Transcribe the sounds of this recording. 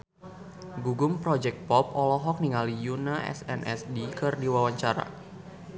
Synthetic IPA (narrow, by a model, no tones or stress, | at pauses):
ɡuɡʊmpɾɔd͡ʒɛk̚t̪̚pɔpɔlɔɦɔk̚niŋalijunaʔɛ̰sɛ̰nʔɛ̰sdikɨrdiwawaɲt͡ʃaɾa̰